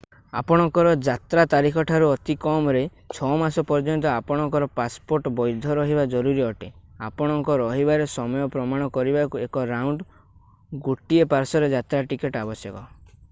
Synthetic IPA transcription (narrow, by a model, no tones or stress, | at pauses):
a̰pɔɽ̃ɔŋkɔɾɔd͡ʒat̪ɾat̪aɾikʰɔʈʰaɾuɔt̪ikɔmɾe | t͡ʃʰɔmasɔpɔɾd͡ʒɔnt̪ɔapɔɽ̃ɔŋkɔɾɔpaspoɾʈbɔjd̪ʱɔɾɔɦibad͡ʒɔɾuɾiɔʈea̰pɔɽ̃ɔŋkɔɾɔɦibaɾesɔmɔjɔpɾɔmaɽ̃ɔkɔɾibakuekɔɾawɳɖ | ɡuʈiepaɾsɔɾed͡ʒat̪ɾaʈikeʈabɔsjɔkɔ